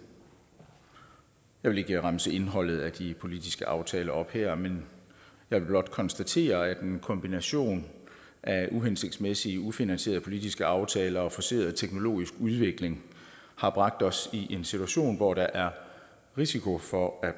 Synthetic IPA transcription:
jɑ̈ɪʋe̝le̝ɡ̥əʁɑmsəe̝nɦɒ̽l̰ð̩ˠæd̥ipʰo̝lid̥isɡ̥əʔɑ̈ʊt͡sʰɛːlɐɒ̽b̥heɐ̰menjɑ̈ɪʋe̝b̥lɒ̽d̥̚kʰɒ̽nsd̥æt͡sʰe̝̰ːɐæd̥enkʰɒ̽mb̥inæɕo̝̰ːn | ʔæuɦense̝ɡ̥̚d̥smesiəufinænse̝̰ɐð̩ˠpʰo̝lid̥isɡ̥əɑ̈ʊt͡sʰɛːlɐɒ̽fɒ̽se̝ːɐðˠt͡sʰeɡ̥no̝lo̝̰ːisɡ̥uð̞ˠʋe̝ɡ̥le̝ŋ | hɑ̈b̥ʁɑ̈ɡ̥̚d̥ɒ̽siʔe̝nsit͡sʰuæɕo̝̰ːnʋɒɾ̥ɑ̈ʔæɐ | ʁisikʰo̝fɒ̽æ̥

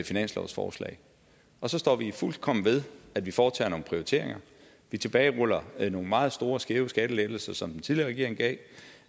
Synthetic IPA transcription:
finæn̰slɒ̰ʊsfɒ̰ːslɛ̰ːɪ | ɒ̽sɒ̽sd̥ɒ̰ːʋiful̰d̥̚kʰɒ̽m̰ʋe̝ð̞ˠæd̥ʋifɒːt͡sʰɛ̰ːɐno̝ːŋn̩pʰʁioit͡sʰe̝̰ɐ̰e̝ŋɐ | ʋit͡sʰe̝b̥ɛːɪʁɔl̰ɐno̝ːn̩mɑ̈ːð̞̩ˠsd̥o̝ːɐsɡ̥e̝ʊsɡ̥æd̥əleɡ̥l̩sɐsɒ̽md̥en̩t͡sʰiðˠliɐːʁɛɡ̥̰ɐeŋɡ̥ɛ̰ɪ

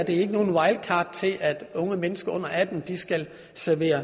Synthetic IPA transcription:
ɐd̥e̝æɐe̝ɡ̥əno̝ːn̩wɑ̈ɪl̥̚kʰɑ̈ːd̥̚t͡sʰe̝ʔæd̥ɔ̽ŋəmenəsɡ̥ɐɔ̽n̰ɐʔæd̥m̩d̥isɡ̥æl | sæɐʋe̝̰ːɐ

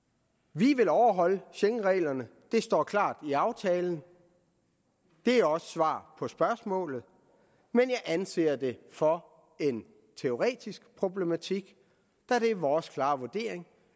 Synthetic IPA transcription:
ʋiʋe̝lɒʊɐɦɒ̽l̰əɕeŋʁɛ̰ːlɐnəd̥e̝sd̥ɒ̰ːkʰlɑ̰̈ːd̥iɑ̈ʊt͡sʰɛːln̩ | d̥e̝æɒ̽sə̥sʋɑ̰̈ːpʰɒ̽sb̥ɶɐsmɔ̰̽ːlð̩ˠ | menjɑ̈ɪʔænse̝̰ːɐd̥e̝fɒ̽ | e̝n | t͡sʰe̝o̝ʁɛ̰ːd̥isɡ̥pʰʁo̝b̥le̝mæt͡sʰiɡ̥ | d̥æɾ̥e̝æɐʋɒːskʰlɑ̈ːʋuɐd̥e̝̰ːɐ̰eŋ

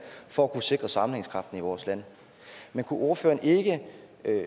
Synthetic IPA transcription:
fɒ̽ækʰuse̝ɡ̥ʁɐsɑ̈mn̩eŋskʰʁɑ̈fd̥n̩iʋɒːslæn̰ | menkʰuʔo̝ɐfø̰ːɐnʔe̝ɡ̥ə

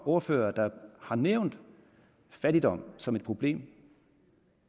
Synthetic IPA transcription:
o̝ɐfø̰ːɐd̥ɑ̈hɑ̈neʊ̰nd̥ | fæd̥id̥ɒ̽m̰sɒ̽med̥̚pʰʁo̝b̥le̝̰ːm

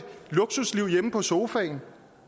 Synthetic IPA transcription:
lo̝ɡ̥susliʊ̰jeməpʰɒ̽so̝ːfɛn

